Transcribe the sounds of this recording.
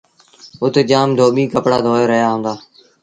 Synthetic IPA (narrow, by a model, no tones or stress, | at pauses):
ʊt̪ʰed͡ʒaːmd̪ʱoːɓiːkəpɽaːd̪ʱoːeːɾəɦjaːɦũːnd̪aː